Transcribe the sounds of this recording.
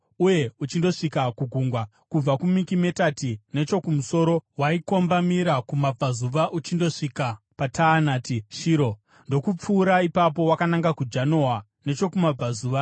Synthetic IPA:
uje̞ut͡ʃindo̞ʂikakuɡʱuŋɡwa | kub͡vakumikime̞tatine̞t͡ʃo̞kumuso̞ːɾo̞waiko̞mbamiɾakumab͡vazuʋaʔut͡ʃindo̞ʂika | patʰaːnaːtiʃiːɾo̞ | ndo̞kup͡fuːɾaipap̬o̞wakanaŋɡakud͡ʒano̞a | ne̞t͡ʃo̞kumab͡vazuːʋa

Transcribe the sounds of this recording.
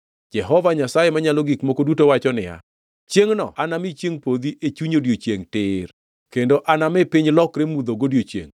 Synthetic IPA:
d͡ʒɛɦɔvaɲasajemaɲalɔɡikmokodutowat͡ʃɔnɪja̰ | t͡ʃjeŋnɔ̰anamit͡ʃjeŋpod̪iʔet͡ʃuɲodjot͡ʃjeŋtɪr | kendoʔanamɛpiɲlɔkɾemud̪oɡodjot͡ʃjḛŋ

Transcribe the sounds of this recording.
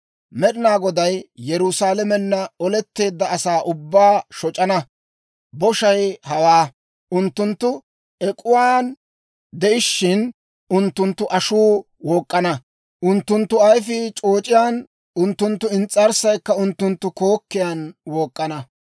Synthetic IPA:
mɛɗɪnaːɡɔd̪ɐjːɛɾʊsaːlɐmɛnːɐɔlɛt̪ːe̞ːd̪ːɐːsaːʔʊbːaːʃɔt͡ʃʼːɐnɐ | bɔʃɐjhɐwaː | ʔʊnt̪ːʊnt̪ːʊ | ɛkʼʊwaːn | d̪ɛʔɪʃːɪn | ʔʊnt̪ːʊnt̪ːʊʔɐʃuː | wɔːkʼːɐnɐ | ʔʊnt̪ːʊnt̪ːʊɐjfɪt͡ʃʼoːt͡ʃʼɪjaːn | ʊnt̪ːʊnt̪ːʊɪnt͡sʼːɐɾsɐjkːɐʊnt̪ːʊnt̪ːʊko̞ːkːɪjaːnwoːkʼːɐnɐ

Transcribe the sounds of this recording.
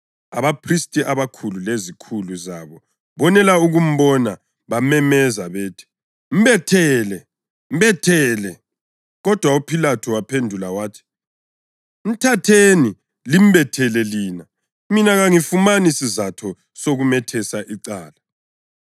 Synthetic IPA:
aβapʰristʼiʔaβakʰululezikʰuluzaβɔ | βɔnɛlauɣum̩βɔna | βamɛmɛzaβeːtʰi̥ | m̩βɛtʰɛːlɛ | m̩bɛtʰɛlɛ | ɣɔd̥ʱwaupʰilatʰɔwapʰendʱulawaːtʰi̥ | m̩tʰatʰeni | lim̩bɛtʰɛlɛliːna | minaɣaŋifumanisizatʰɔ | soɣumɛtʰɛsaʔiǀaːla

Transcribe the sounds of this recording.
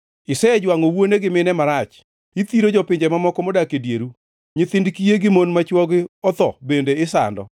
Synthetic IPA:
ɪsɛɛd͡ʒwaŋɔwoneɡɪmɪnɛmaɾat͡ʃ | it̪iɾod͡ʒɔpɪɲd͡ʒɛmamɔkɔmɔdakedjeɾu | ɲɪt̪ɪndkijeɡɪmonmat͡ʃwɔɡɪɔt̪ɔbendeɪsa̰ndɔ̰

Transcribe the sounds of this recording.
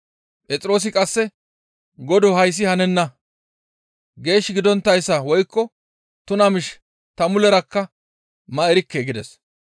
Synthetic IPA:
pʼɛt͡sʼɪɾo̞ːs̬ɪkʼɐsːɛ | ɡɔd̪ɔɦɐjs̬ːɪhɐnɛnːɐ | ɡe̞ːʃːɪɡɪd̪ɔnt̪ːɐjsːɐwɔjkːɔ | t̪ʊnɐmɪʃ | t̪ɐmʊlɛɾɐkːɐ | mɐɛɾɪkːeɡɪd̪ɛs

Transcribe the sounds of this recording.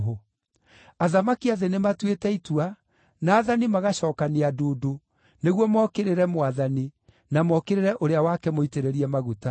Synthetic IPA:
ɦo | aðamakiaðenematwetɛitwa | naːðanimaɣaɕɔːkaneadoːdo | neɣwɔmɔkeɾeɾɛmwaðani | namɔkeɾeɾɛʔoɾeawakɛmoiteɾeɾiɛmaɣuta

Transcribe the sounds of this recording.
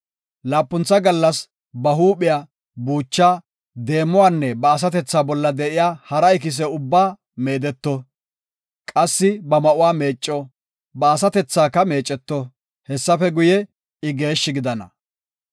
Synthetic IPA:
laːpːʊnt͡sːɐɡɐlːɐs | bɐɦuːpɪjaː | buːt͡ʃːaː | d̪e̞ːmːɔwaːnːɛbɐːs̬ɐt̪ɛt͡sːaːbɔlːɐd̪ɛʔɪjaːhɐɾɐɪk̬ɪs̬ɛʊbːaː | meːd̪ɛt̪ːɔ | kʼɐsːɪbɐmɐʔʊwaːme̞ːt͡ʃʼːɔ | bɐːs̬ɐt̪ɛt͡sːaːkːɐme̞ːt͡ʃʼːɛt̪ːɔ | hɛsːɐfɛɡʊjɛ | ɪɡe̞ːʃːɪɡɪd̪ɐnɐ̰

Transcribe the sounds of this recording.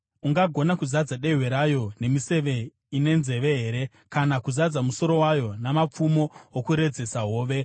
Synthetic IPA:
uŋɡaɡʱo̞nakuzad͡zaɗe̞ɦwe̞ɾajo̞ne̞mise̞ʋe̞ | ine̞nze̞ʋe̞ɦeːɾe̞ | kanakuzad͡zamuso̞ɾo̞wajo̞namap͡fumo̞okuɾe̞d͡ze̞saɦo̞ːʋe̞

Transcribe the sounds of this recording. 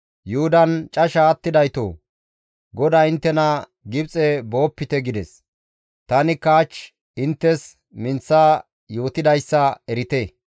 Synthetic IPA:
jʊhʊd̪ɐnt͡ʃʼɐʃaːt̪ːɪd̪ɐjt̪o̰ː | ɡɔd̪aːɪnt̪ːɛnɐ | ɡɪbt͡sʼɛbo̞ːpːɪt̪ɛɡɪd̪ɛs | t̪ɐnɪkaːt͡ʃ | ɪnt̪ːɛs | mɪnt͡sːaː | jo̞ːt̪ɪd̪ɐjsːɐɛɾɪt̪e

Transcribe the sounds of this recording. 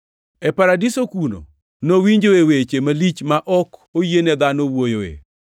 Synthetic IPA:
ɛpaɾadisokuno̰ | nowiɲd͡ʒoewet͡ʃemalit͡ʃmaʔɔkojened̪anowojoḛ

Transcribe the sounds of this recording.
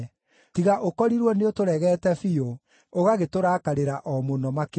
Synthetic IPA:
tiɣaʔokɔɾiɾwɔneotoɾɛɣɛːtɛfio | oɣaɣetoɾaːkaɾeɾaʔɔmonɔmak

